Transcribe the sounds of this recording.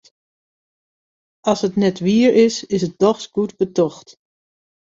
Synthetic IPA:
ɑsɦətnɛtʋiːəɹɪsɪsət̚dɔχsɡ̥utbətɔχt

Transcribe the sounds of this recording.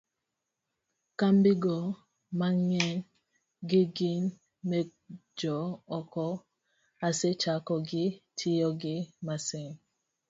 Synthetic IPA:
kambiɡɔ | maŋɛ | ɡiɡin | med͡ʒɔɔkɔ | aset͡ʃakɔɡitʰijɔɡimasɛn

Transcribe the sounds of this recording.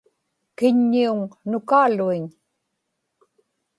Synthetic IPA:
kɪɲːiuŋnʊkaːluiɲ

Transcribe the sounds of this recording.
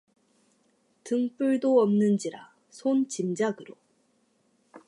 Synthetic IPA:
tɯŋp͈uɭdoʌmnɯnd͡ʑiɾa | sʰont͡ɕimd͡ʑaɡɯɾo̰

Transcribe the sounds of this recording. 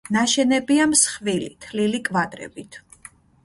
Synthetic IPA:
naʃɛnɛbiamsχvilḭt̪ʰlilikʼvad̪ɾɛ̰bit̪ʰ

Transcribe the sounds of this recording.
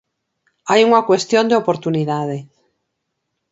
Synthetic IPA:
ajuŋakwe̞st̪jond̪eopoɾt̪uniðað̞e

